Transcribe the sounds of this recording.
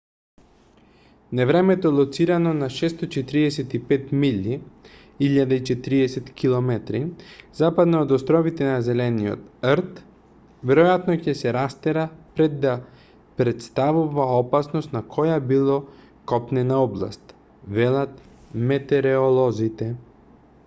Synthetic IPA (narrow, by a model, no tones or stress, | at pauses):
nɛvɾɛmɛt̪ɔlˠɔt̪siɾanɔnaʃɛst̪ot͡ʃɛt̪iɾiɛsɛt̪ipɛt̪milːi | iʎːad̪ait͡ʃɛt̪iɾiɛsɛt̪kʰilˠɔmɛt̪ɾizapad̪naːd̪ɔst̪ɾɔvit̪ɛnazɛlɛniɔ̰t̪ɾt̪ | vɛɾɔjat̪nɔcɛsɛɾast̪ɛɾapɾɛd̪ːa | pɾɛt̪st̪avuvaɔpasnɔst̪nakʰɔjabilˠɔ | kɔpnɛnaɔblˠa̰st̪ | vɛlˠat̪ | mɛt̪ɛɾɛɔlˠɔzit̪ɛ